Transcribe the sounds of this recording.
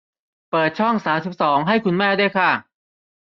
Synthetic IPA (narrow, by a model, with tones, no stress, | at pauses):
pɤː˨˩t̪̚t͡ɕʰɔ˥˩ŋsaː˩˦msi˨˩p̚sɔː˩˦ŋɦa˥˩jkʰu˧nmɛː˥˩du˥˩əjkʰa˥˩